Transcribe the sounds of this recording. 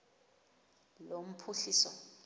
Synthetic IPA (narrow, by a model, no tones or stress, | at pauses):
lom̩pʰuɬiːsɔ̰